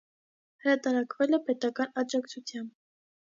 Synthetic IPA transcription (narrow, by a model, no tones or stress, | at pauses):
həɾɑt̪ɑɾɑkvɛlɛpɛt̪ɑkɑnɑd͡ʒɑkt͡sʰut͡sʰjɑmb